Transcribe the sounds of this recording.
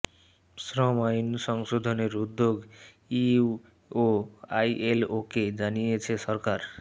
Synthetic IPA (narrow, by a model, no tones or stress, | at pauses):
sɾʌmajunsʌŋsod̪ʱʌneɾud̪ːjoɡ | iu | oajʔeloked͡ʒanijet͡sʰesʌɾkaɾ